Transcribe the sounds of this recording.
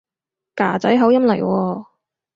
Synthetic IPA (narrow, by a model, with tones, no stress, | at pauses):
kaː˨˩t͡sɐ˨˥jɦɐ˨˥wjɐ˥mlɐ˨˩jwʔɔː˧